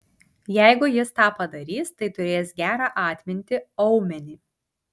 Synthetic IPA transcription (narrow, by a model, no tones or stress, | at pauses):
jɛɪɡʊjɪst̪ɑːpɐd̪ɐɾʲiːst̪ɐɪt̪ʊɾʲeːsɡʲæːɾɑːʔɑːt̪ʲmʲɪnʲt̪ʲɪɒʊmʲɛnʲiː